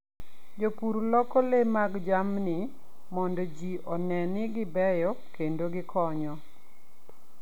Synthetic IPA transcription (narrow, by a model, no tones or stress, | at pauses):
d͡ʒopuɾlɔkɔlemaɡd͡ʒamnɪ | mɔndɔd͡ʒiʔɔnɛnɪɡɪbɛjɔkendoɡɪkʰɔɲɔ